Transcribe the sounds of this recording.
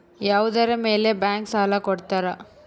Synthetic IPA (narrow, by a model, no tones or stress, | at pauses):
jaːʋud̪ɐɾɐmeːlebaːŋksaːlɐkɔɽt̪aːɾɐ